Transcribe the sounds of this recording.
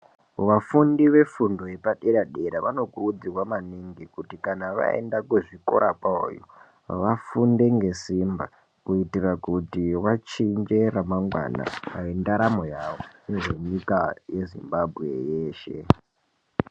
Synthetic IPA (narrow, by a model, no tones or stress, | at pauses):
ʋafundiʋe̞fundo̞e̞paɗeɾaɗeɾaʋano̞kurud͡zirwamaniŋɡikutikanaʋa̰ḛndakuʐiko̞̰ɾʔapao̰jo̰ | ʋafunde̞ŋɡe̞simba | kuitirakutiwat͡ʃind͡ʒe̞ɾamaŋɡwa̰na̰a̰ʋindaɾamo̞jaʋo̞neʐe̞ɲikaje̞zḭmbabʱɣe̞̰jeːʃe̞̰